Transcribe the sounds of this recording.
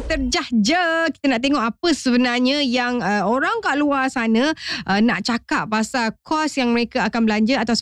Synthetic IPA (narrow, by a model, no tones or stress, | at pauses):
t̪ərd͡ʒahd͡ʒəki̥t̪ənaʔt̪eŋɔʔapəsəbənarɲə̃jaŋəoɾaŋkaʔluasanə̃ʔənaʔt͡ʃakap̚pasalkʰɔsjaŋməɾekaakanbəlaɲd͡ʒəat̪aws